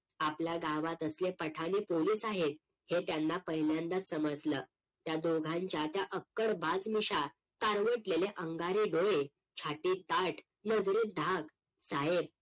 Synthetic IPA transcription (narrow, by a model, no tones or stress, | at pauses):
apljaɡaʋat̪əslepəʈʰanepoliːsaɦet̪̚ | het̪janːapəɦiljãnd̪at͡s̪səməd͡zləː | t̪jad̪oɡʱãɲt͡ɕjat̪jaʔəkːəɽbʱad͡zmiɕa | k̪aɾʋəʈleleʔəŋɡaɾiɖoe | t͡ɕʰaʈiːt̪aʈ | nəd͡zɾiːd̪ʱak | saɦeb̚